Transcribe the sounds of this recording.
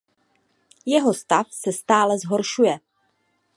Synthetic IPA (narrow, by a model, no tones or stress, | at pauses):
jɛɦo̞st̪afsɛst̪aːlɛzɦo̞ɾʃujɛ